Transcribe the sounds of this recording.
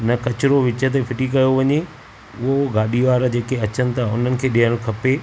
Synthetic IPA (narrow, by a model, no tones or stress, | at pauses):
nɐkɐt͡ɕɪɾoʋɪt͡ɕət̪̬efɪʈikɐjoʋɐɲe | ʊɦoɡaːɗiʋaːɾd͡ʑeːkeɐt͡ɕənɪ̆t̪ʰaːʊn̤ənɪ̆kʰeːɗiɦəɽ̃kʰɐpe